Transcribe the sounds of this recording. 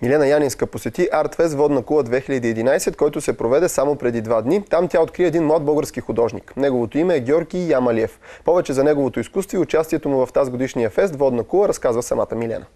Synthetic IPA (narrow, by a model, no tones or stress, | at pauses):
milʲɛnəjaninskəposɛt̪iʔaɾt̪fɛst̪vɔd̪nɐkulˠəd̪vɛxilʲəd̪iːɛd̪inajsɛt̪̚kɔjt̪ʊsɛpɾovɛd̪ɛsamopɾɛd̪id̪vad̪nit̪amt̪ʲjaot̪kɾiəɛd̪inmlˠad̪̚bɤɡəɾskixʊd̪ɔʒnḭknɛɡovot̪oimɛːɡʲɔɾɡʲijamɐliɛfpɔvɛt͡ʃɛzɐnɛɡovot̪oiskust̪voiʊt͡ʃast̪iɛt̪omʊvɐft̪azɡod̪iʃnijəfɛs̬t̪vɔd̪nəkulˠəɾɐskazvəsɐmat̪əmilʲɛ̰nə